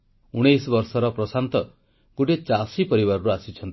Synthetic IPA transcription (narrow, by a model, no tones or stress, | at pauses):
uɽ̃ejsɔbɔɾsɔɾɔpɾɔsant̪ɔ | ɡ̥oʈet͡ʃasipɔɾibaɾɔɾuasit͡ʃʰɔnt̪i̥